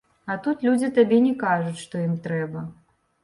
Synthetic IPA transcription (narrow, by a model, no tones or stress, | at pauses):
at̪ut̪lʲud͡zʲit̪abʲɛnʲɛkaʐut͡sʲʂt̪ɔjimt̪ɾɛbɐ